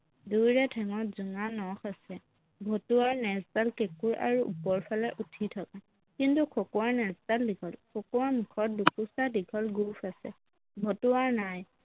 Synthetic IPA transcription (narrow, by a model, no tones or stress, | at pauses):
dujɹɛtʰɛŋɔtzuŋanɔxasɛ | bʱotuwaɹnɛztalkekuɹʔa̰ɹuʔṵpɔɹpʰalɛʔutʰitʰɔka | kintukʰɔkɔwaɹnɛstaldiɡʰɔlkʰɔkɔwaɹmukʰɔt̚dukusadiɡʰʱɔlɡufʰasɛ̰ | bʱotuaɹnaj